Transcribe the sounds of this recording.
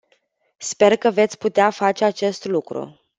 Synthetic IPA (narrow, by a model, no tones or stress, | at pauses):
spe̞rkəve̞t̪sʲput̪eafat͡ʃe̞at͡ʃe̞st̪lukɾṵ